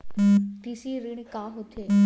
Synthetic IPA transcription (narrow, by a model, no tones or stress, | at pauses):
t̪isiɾɪɳ̃kaːɦot̪ʰe